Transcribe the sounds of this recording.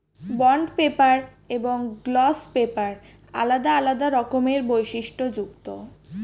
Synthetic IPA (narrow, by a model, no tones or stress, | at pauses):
bɔɳɖpepaɾ | eboŋɡlɔspepaɾ | a̰lad̪aalad̪aɾɔkomeɾbojʃiʃʈod͡ʑuk̚t̪o